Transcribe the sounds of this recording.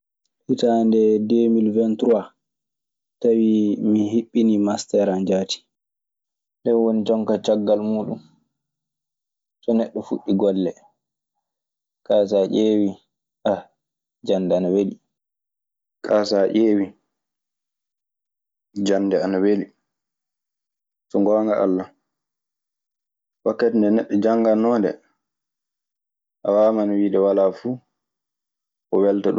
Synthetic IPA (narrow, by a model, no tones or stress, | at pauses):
hitandɛdeːmilvɛntɾuwa | tawimiɦiɓːinimastɛɾand͡ʒaːti̥ | dɛnwonid͡ʒɔŋkat͡ʃaɡːalmuːɗun | sɔnɛɗːɔfṵɗːiɡɔlːɛ | kaːs̬aʔeːwi | ʔa | d͡ʒanːdɛanaweli | kʰaːsaʔeːwi | d͡ʒanːdɛanaweli | sɔŋɡɔŋɡaʔa̰lːa | wakːatindɛnɛɗːɔd͡ʒaŋɡanːɔndɛ̰ | ʔawaːmanwiːɗɛwalafuː | kɔwɛltaɗ